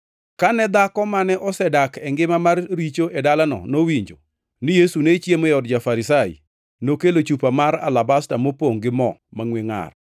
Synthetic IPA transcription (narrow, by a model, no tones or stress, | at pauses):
kanɛd̪akɔmanɛʔɔsɛdakɛŋɡɪmamarɾit͡ʃoʔedalanɔ̰nowiɲd͡ʒo | nɪjesunet͡ʃjemojɔdd͡ʒafaɾɪsajḭ | nokelot͡ʃupamaɾa̰labastamopoŋɡɪmɔmaŋweŋa̰r